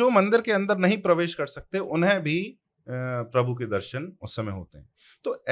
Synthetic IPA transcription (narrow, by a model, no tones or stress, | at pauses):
oːmɐ̃nd̪ɪɾkeɐ̃nd̪əɾnɐɦĩpɾɐʋeːʃkɐɾsɐk̚t̪eʔʊnɦẽbʱi | pɾɐbʱuk̬ed̪ɐɾʃənʊssːɐmẽɦo̰ːt̪eɦɛ̃ː | t̪oːɛ